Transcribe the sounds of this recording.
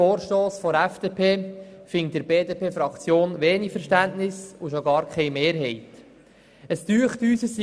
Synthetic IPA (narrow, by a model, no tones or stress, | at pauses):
oːɾʃtoːsfɔɾɛfd̥eːpʰeːfɪŋ̚d̥əɾbeːdepʰeːfɾɑkt͡sjoːnʋeːnifəɾʃtæntnɪsʊʃoɡɑːɾkʰɛɪjmeːɾɦɛɪt | əstyəχtyːsəs